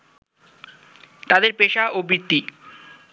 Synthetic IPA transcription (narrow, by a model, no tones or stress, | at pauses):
t̪ad̪eɾpeʃaʔobɾit̪ːi